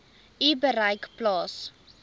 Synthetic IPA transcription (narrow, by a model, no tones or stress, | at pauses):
ibəɾəjkplɑːs